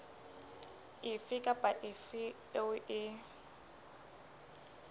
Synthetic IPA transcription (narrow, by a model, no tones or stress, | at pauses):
ɪfɪkʼapʼaʔɪfɪ | eʊʔɪ